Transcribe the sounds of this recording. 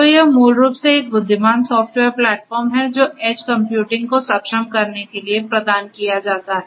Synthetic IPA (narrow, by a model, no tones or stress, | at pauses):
ojɐmuːlɾuːpseeːk̚bʊd̪ʱːɪmaːnsɔːfʈʋeːɾplɛːʈfɔːɾmɦɛd͡ʒoːʔeːt͡ʃkɐ̃mpjuːʈɪ̃ŋɡkosɐpʃəmkɐɾnekeliepɾɐd̪aːnkijad͡ʒaːt̪aɦɛɛ